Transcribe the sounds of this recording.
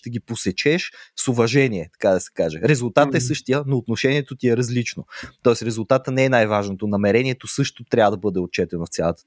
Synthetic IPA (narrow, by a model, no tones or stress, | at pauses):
ʃt̪ɛɡ̟ʲiposɛt͡ʃɛʃsovɐʒɛniɛt̪ɐ̥kad̪ɐsɛ̥kaʒɛɾɛzulˠt̪at̪ɛsɤʃt̪ijənoːt̪noʃɛniɛt̪ot̪iɛɾɐzlit͡ʃnot̪ɔɛsɾɛzulˠt̪at̪ənɛɛnajvaʒnot̪onɐmɛɾɛniɛt̪osɤʃt̪ot̪ɾʲavəd̪ɐbɤd̪ɛot̪̚t͡ʃɛt̪ɛnoft̪sʲjalˠət̪ə̥